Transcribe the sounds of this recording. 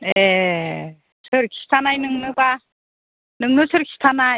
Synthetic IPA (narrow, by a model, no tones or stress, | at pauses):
je | sʰɯɾkʰi̥si̥tʰanainɯŋnɯɡa | nɯŋnɯsʰɯɾkʰi̥ɕi̥tʰana